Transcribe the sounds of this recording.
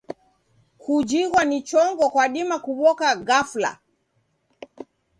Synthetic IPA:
kud͡ʒiɣwanit͡ʃɔŋɡɔkwaɗimakuɓɔkaɣafla̰

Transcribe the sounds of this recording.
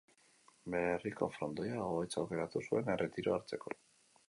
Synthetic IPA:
be̞riko̞̰fɾo̞nd̪ojaoɣojt͡saoke̞ɾat̪usue̞nerʔe̞t̪iɾoaɾt͡se̞ko̞̰

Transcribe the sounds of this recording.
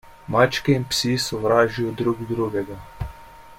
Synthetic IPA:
maːt͡ʃkɛinpsisɔʋɾaːʒijɔd̪ɾuːɡd̪ɾuːɡɛɡa

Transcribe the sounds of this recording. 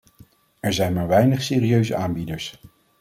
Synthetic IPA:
ɛɹzɛjnmaːɹʋɛjnəχseːriøɥzə̰ʔaːmbidəɹs

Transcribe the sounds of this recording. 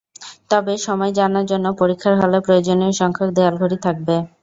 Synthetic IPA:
t̪ɔbeʃɔmɔed͡ʑanaɾd͡ʑonːopoɾikʰːaɾɦɔlepɾojod͡ʑonieoʃɔŋkʰak̚d̪ealɡʱoɾit̪ʰak̚be

